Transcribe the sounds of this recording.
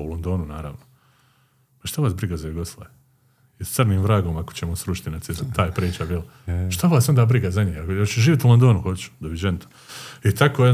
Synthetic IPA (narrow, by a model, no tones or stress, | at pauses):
ṵlond̪o̞ːnunaːɾa̰ːʋno | paʃt̪aʋaːsbɾiɡazajuɡo̞slˠa̰je | ist̪sɨrniːmvɾaːɡo̞makot͡ɕemosɾuʃi̥t̪inasizt̪ʰaːjpɾiːt͡ʃabjel | ʃt̪aʋaːsjo̞nd̪aːbɾiɡazaɲiːhakjot͡ɕeʒiːʋjt̪ulo̞nd̪o̞ːnuxot͡ʃu̥d̪oʋid͡ʒent̪o̥ | it̪akoe